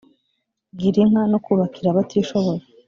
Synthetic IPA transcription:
ɡiɾiŋanokuβakiɾaβatiːʃo̞βo̞ɾa

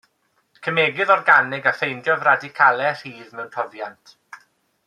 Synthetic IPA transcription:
kʰəmeːɡɪðɔrɡanɪɡafejndjɔvradikʰalˠɛr̥iːðmɛwnpʰɔvjantʰ

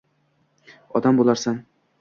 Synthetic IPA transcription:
ɒ̰d̪ambolˠaɾsan

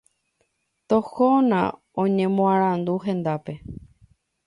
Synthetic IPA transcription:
t̪oxonã̰ | õɲẽ̞mõãɾ̃ãnd̪uɦẽ̞nd̪ape̞

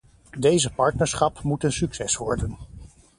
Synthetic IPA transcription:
dejzəpɑɹtnəɹsχɑpmutənsyksɛsʋɔɹdən

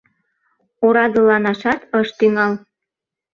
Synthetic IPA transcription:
oɾɑd̪əlɑnɑʃɑt̪ɤʃt̪yŋɑl

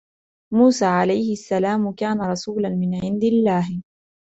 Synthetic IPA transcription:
muːsaːʕalajhɪʔasːalaːmʊkaːnaɾˤɑsuːlanmɪnʕɪnd̪ɪlːaːh

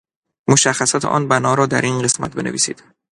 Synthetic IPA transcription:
moʃæxːæsɒt̪ʰʔɒ̰ːnbænɒːɾɒːd̪æɾʔinɢe̞smæ̰t̪̚be̞̰neviːsḭːd̪̥

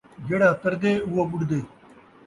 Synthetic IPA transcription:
ɡeɽaːt̪ɐɾd̪eːuwobuɽd̪eː

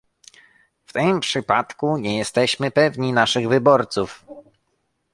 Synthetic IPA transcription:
ft̪ɘmpʂɘpat̪kuɲɛjɛst̪ɛɕmɘpɛvɲinaʂɘɣvɘbɔɾt̪suf

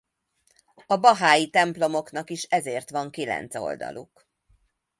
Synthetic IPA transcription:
ɒbɒɦaːjit̪ɛmplo̞mo̞knɒkiʃɛzeːrt̪ʋɒŋkilɛ̰nt̪so̞̰ld̪ɒ̰lʔṵk

